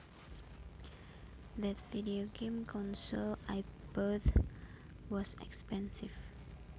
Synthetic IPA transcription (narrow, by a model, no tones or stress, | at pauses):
ðətvidioɡẽmkʰɔ̃nsɔlajpbɔθ | wɔsɛ̰kspɛ̃nsiv